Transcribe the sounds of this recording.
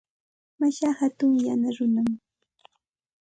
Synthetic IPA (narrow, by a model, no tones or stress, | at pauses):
maʃahat̪ʊŋjanaɾʊnam